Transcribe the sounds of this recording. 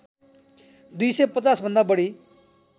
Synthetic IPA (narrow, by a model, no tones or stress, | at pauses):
d̪ujsʌjpʌt͡sasbʱʌnd̪abʌɽi